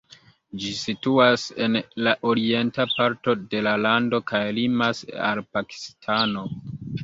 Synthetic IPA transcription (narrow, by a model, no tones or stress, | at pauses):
d͡ʒisituase̞nlaʔo̞ɾie̞ntapaɾto̞de̞lalando̞kajlimasa̰lpaki̥stʰano̞